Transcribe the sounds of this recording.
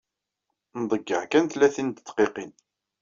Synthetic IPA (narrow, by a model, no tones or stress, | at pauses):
nd̪ˤəɡːə̰ʕkænθlæθint̪ə̥t̪ːqiqin